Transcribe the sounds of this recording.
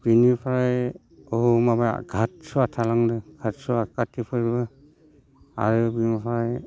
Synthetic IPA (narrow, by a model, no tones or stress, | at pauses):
b̥inipʰaɾaj | oɦumabaja̰ɡʱat̚suatʰalaŋdɯɡ̥ʰʱatsuakatʰːipʰɯɾbɯ | a̰ɾɯbinipʰaɾaj